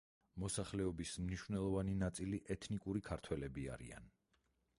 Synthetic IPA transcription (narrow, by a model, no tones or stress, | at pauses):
mɔsaχlɛɔbismniʃvnɛlˠɔvaninat̪sʼiliʔɛt̪ʰnikʼuɾikʰaɾt̪ʰwɛlɛbia̰ɾḭa̰n